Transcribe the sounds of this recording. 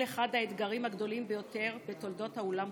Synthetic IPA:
eχad̪aet̪ɡaʁimhaɡd̪o̞limbe̞jo̞te̞ʁbe̞t̪o̞ld̪o̞t̪haolam

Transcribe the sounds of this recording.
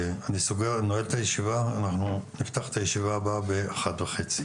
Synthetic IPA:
anisoɡeʁnoelt̪ajeʃivaːnaχnunift̪aχe̥t̪ajeʃivaababeaχatveχet͡si̥

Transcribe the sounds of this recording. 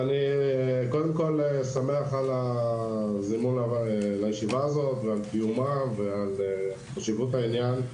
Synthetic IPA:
aniko̞d̪emko̞lesameaχala | zimunalajeʃivaːzo̞t̪vealt̪iumaveal | χaʃivut̪ainjan

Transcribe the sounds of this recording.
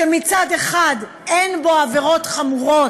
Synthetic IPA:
ʃemit͡sade̞χad | enbo̞ave̞ʁo̞tχamuʁo̞

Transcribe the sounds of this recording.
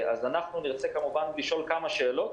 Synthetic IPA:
azanaχnuniʁt͡sekamuvanliʃo̞lkamaʃe̞ːlo̞t̪

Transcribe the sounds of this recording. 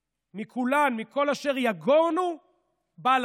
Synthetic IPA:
mikʰulanmiko̞laʃe̞ʁjaɡonu | bal

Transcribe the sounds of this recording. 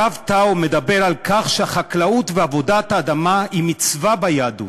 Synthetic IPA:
avtaome̞d̪abeʁalkaχʃeaχaklaut̪veavo̞dat̪haːd̪amaimit͡svabajadṵ

